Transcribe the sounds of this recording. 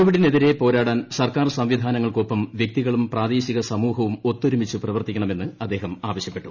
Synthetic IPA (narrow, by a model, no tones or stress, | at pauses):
uʋɐɽine̞ðiɾe̞po̞ːɾaːɽaːnsɐrkaːrsɐmʋid̪ʱaːnɐŋːɐɭkoːpːɐmʋjek̚t̪iɣɐɭumpraːd̪eːɕiɣɐsɐmuːhɐʋumo̞t̪ːoɾumit͡ɕːuprɐʋɐrt̪ikʲːɐɳɐme̞nːɨɐd̪ːe̞ːɦɐmaːʋɐɕjɐpːe̞ʈːu̥